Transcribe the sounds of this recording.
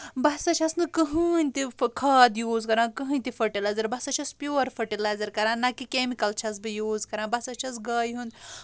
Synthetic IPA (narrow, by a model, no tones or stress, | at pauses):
bɐsɐt͡ʃʰɐsnɨkəɦɨːnʲt̪ikʰaːd̪juːzkɐɾãːkɨɦɨnʲt̪ifɐʈilaːzɐɾbɐsɐt͡ʃʰɐspjuːɾfɐʈilaːjzɐɾkɐɾãːnɐkikemikɐlt͡ʃʰɐs̬bɨjuːzkɐɾãːbɐsɐt͡ʃʰɐsɡɐːjɦũnd̪